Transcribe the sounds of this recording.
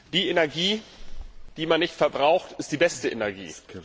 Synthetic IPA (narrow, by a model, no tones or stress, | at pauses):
d̥iːenɛɐɡiː | d̥iːmanːɪçtfɛɐbʁaʊxtɪstd̥iːbɛstəʔḛnɛɐɡḭː